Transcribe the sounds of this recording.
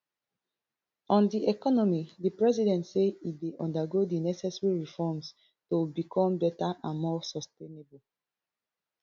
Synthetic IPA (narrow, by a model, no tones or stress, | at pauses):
ɔ̃ndiɛkɔnɔmidipɹɛzidɛ̃ntseideʔɔ̃ndaɡodinɛsɛsɹiɹifɔms | tobikʰɔ̃mbɛtaʔãnmɔsɔstenebul